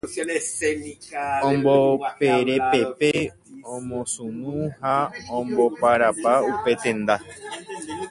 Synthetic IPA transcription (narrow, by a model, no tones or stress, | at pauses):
õmbopeɾe̞pe̞pe | õmõsũmũhaõmbopaɾapaupe̞t̪ẽ̞nd̪a